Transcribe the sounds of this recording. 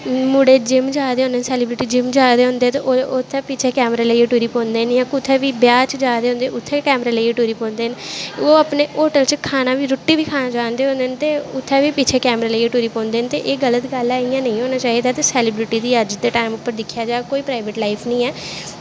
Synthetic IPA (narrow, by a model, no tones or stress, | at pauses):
mʊɽeːd͡ʒɪmd͡ʒaːd̪eːɦõnd̪eːnsɛːlɪːbɾɪʈiːd͡ʒɪmd͡ʒaːd̪eːɦʊ̃ːnd̪eːt̪eʔoot̪ʰːɛːpit͡ʃʰeːkɛːmɾaːləiːeʈuːɾiːpõːnd̪eːnjãːkʊt̪ʰːɛːʋiːbjaːt͡ʃd͡ʒaːd̪eːɦõnd̪eːʔʊt̪ʰːeːkɛːmɾaːləieʈuːɾiːpõːnd̪eːnoːəpneːoːʈəlt͡ʃkʰaːnaːʋiːɾʊʈːiːʋiːkʰaːnaːd͡ʒaːnd̪eːɦõːnd̪eːnt̪eːʊt̪ʰːɛːʋiːpit͡ʃʰeːkɛːmɾaːləieʈuːɾiːpõːnd̪eːnt̪eːʔeːɡələt̪ɡəlaːijãːnə̃ĩːɦoːnaːt͡ʃaːɦiːd̪aːt̪esɛːlɪːbɾɪʈiːd̪iːəd͡ʒd̪eʈaːɪmʊpːəɾd̪ɪkʰːjaːd͡ʒaːkoːiːpɾaːɪʋəʈlaːɪpʰnəĩːɛː